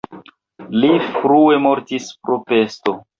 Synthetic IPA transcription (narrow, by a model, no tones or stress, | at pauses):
lifɾue̞mo̞ɾtispɾope̞sto̞